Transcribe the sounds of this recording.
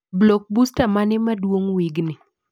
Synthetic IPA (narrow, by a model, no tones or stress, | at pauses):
blok̚bustamanɪmadwoŋwiɡnɪ